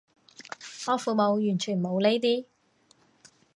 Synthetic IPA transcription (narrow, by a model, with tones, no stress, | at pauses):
ŋɔː˨˧fuː˨˧mo˨˧wjyː˨˩nt͡ʃʰyː˨˩nmo˨˧wle˥jt̪iː˥